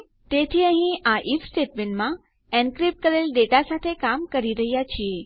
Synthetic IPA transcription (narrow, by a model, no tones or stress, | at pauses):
t̪et̪ʰiːə̃ɦĩaʔifsʈeʈ̚menmã | ɛ̃nkɾip̚ʈ̚kəɾelɖeʈasat̪ʰekamkəɾiɾəɦjat͡ɕʰie